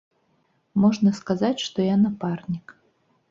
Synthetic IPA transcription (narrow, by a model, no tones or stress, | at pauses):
mɔʐnɐskazat͡sʲʂt̪ɔjanaparnʲik